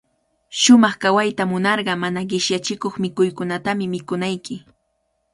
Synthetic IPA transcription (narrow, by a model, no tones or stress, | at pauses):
ʃʊmɑχkawajt̪amʊnɑɾɢɑmanaɢɪʃjat͡ʃɪkoχmɪkʊjkʊnat̪amɪmɪkʊnajkɪ